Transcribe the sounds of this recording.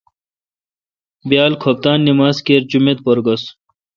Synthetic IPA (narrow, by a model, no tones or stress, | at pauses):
bjaːlkʰop̚t̪aːnːimaːskeɾd͡ʑumet̪̚pɐɾɡɐs